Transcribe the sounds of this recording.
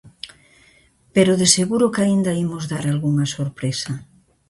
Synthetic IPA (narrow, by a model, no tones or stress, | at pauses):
peɾoðeseɣuɾokaind̪aimozðaɾalɣuŋasoɾpɾesɐ